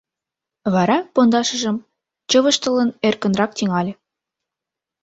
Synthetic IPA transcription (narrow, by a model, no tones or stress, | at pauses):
βɑɾɑpond̪ɑʃə̆ʒə̆m | t͡ɕə̆βə̆ʃt̪ə̆lənerkə̆nrɑk̚t̪iŋɑlʲĕ